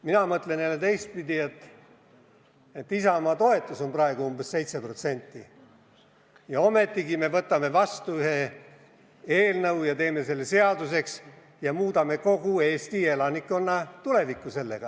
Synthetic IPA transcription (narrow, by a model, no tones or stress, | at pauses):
minɑmɤt̪lenelːet̪e̞jst̪̚pid̪ie̞t̪ːˑ | et̪ːisɑomɑt̪o̞e̞t̪ːˑuso̞nprɑe̞ɡuumbe̞sse̞jt̪sepro̞t̪se̞nʲt̪ːˑi | jɑo̞me̞t̪ːˑiɡime̞vɤt̪ːˑɑme̞vɑst̪uyɦe̞ | e̞ːlnɤwjɑt̪e̞ːme̞se̞lːese̞ɑd̪use̞ks | jɑmuːd̪ɑme̞ko̞ɡ̥ue̞ːst̪ie̞lɑnikːˑo̞nːɑt̪ule̞vikːˑuse̞lːe̞̰ɡ̥ɑ